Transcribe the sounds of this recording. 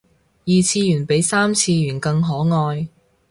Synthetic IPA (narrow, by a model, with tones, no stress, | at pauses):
jiː˨t͡sʰiː˧jyː˨˩npe˨˥jsaː˥mt͡sʰiː˧jyː˨˩nkɐ˧ŋɦɔː˨˥ŋɔː˧j